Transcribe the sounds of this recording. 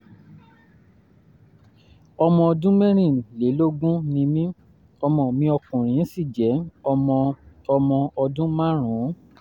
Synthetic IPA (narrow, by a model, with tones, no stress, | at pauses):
ɔ˧mɔ̃˧ɔ˧dũ˦mɛ̃˦ɾ̃ĩ˦˨le˨˦lo˦ɡũ˦nĩ˧mĩ˦ | ɔ˧mɔ̃˨mĩ˧ɔ˧kũ˨ɾ̃ĩ˨˦si˦˨d͡ʒɛ˨˦ɔ˧mɔ̃˧ | ɔ˧mɔ̃˧ɔ˧dũ˦mã˦ɾ̃ũ˨˦